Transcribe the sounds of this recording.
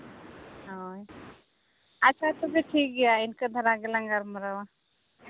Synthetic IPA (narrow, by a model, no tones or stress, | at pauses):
ɦoj | ɐtːʃʰat̪ɔbʱiʈʰiːk̚ɡɛjaɪnkəd̪ʱɐɾaɡəlãŋɡaɾməɾawa